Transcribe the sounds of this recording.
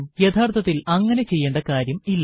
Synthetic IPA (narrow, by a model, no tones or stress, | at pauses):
mjet̪ʰaːrt̪ʰɐt̪ːilɐŋːɐnet͡ɕe̞jːeːɳɖɐkaːɾjɐmilːɐ